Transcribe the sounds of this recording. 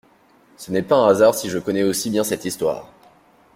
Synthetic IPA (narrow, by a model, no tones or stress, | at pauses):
sənɛpaɛ̃azaʁsiʒəkɔnɛosibjɛ̃sɛt̪ist̪wa̰ːʁ